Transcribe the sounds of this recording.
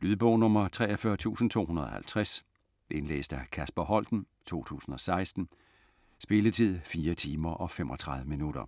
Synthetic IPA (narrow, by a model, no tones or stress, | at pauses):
lyðˠb̥ɔʊnɔmɐt͡sʰʁɛ̰ːɒfɶɐt͡sʰṵːsn̩t͡sʰo̝̰ːhunɐð̞̩ˠɒhælt͡sʰʁæs | ʔe̝nlḛːsd̥ækʰæsb̥ɐɦɒ̽l̰d̥n̩ | t͡sʰo̝̰ːt͡sʰṵːsn̩ɒ̽sɑ̈ɪsd̥n̩ | sb̥e̝lət͡sʰið̞̰ˠfiːɐt͡sʰiːmɐʔɒ̽femʔɒ̽t͡sʰʁɑ̈ð̞ˠʋəminuɾ̥ɐ